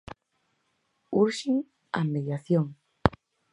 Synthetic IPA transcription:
uɾʃiŋ | a̰meðjaθjoŋ

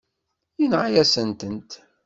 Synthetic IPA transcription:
inʕajæsənt̪ənt̪

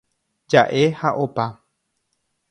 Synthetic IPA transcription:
d͡ʒaʔe̞haʔopa

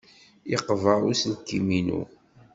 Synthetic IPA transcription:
iqːəvəɾuslkːiminṵ

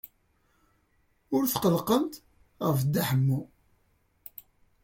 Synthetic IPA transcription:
ʊɾθqəlqənt̪ | ʁəfd̪ːaħəmːu

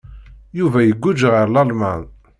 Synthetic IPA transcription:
juvæjəɡʷːud͡ʒʁəɾlɑlmæn

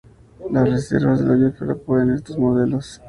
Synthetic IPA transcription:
lasrese̞̰ɾβazðe̞lajufoɾapweðenest̪ozmoðe̞lo̞s

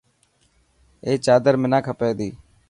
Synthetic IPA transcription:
eːt͡ʃaːd̪əɾmɪnãːkʰəpeːd̪iː

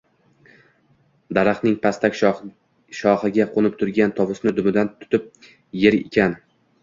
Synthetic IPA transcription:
d̪aɾaχnɪŋpʰast̪akʲ | ʃɒχɪɡʲaqʰonɪp̚t̪ʰʊɾɡʲant̪ʰɒvʊsnɪd̪ʊmɪd̪ant̪ʰʊ̥t̪ɪp̚ | je̞ɾekʲʰan

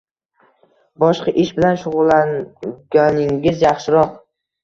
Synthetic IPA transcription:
bɒʃqɑʔɪʃbɪlanʃʊʁʊlˠːanɡʲanɪŋɡʲɪzjɑχʃɪɾɒq

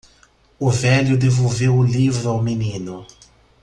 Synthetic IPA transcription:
ʊvɛljʊd̪evowvewʊlivɾʊawminĩnʊ

